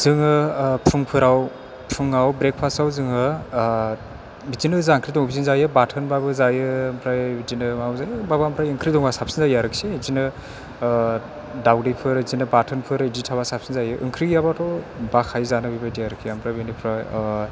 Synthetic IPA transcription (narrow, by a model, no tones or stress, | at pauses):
z̥ɯŋɯpʰɯŋpʰɯɾaw | pʰɯŋawbɾek̚pʰasawzɯŋɯ | bizinɯzaŋkʰɾidɔŋbizinzajɯbatʰɯnbabɯzajɯmpʰɾajbidinɯmauzajɯbabampʰɾajɯŋkʰɾidɔŋbasapsinzajaɾɯkʰseizinɯ | dawdipʰɯɾzinɯbatʰɯnpʰɯɾiditʰaβasap̚sinzajɯʔɯ̰ŋkʰɾijabatʰɔ | bakʰajzanɯbibadijaɾɯkʰiampʰɾajbinipʰɾa